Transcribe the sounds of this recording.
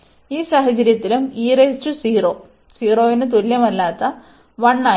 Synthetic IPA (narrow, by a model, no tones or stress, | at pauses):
iːsaːɦɐt͡ɕɐɾjɐt̪ːilumiːrest͡ɕːusiːroː | siːro̞ːʋinɨt̪̬uljɐmɐlːaːt̪ːɐ | ʋɐɳːaː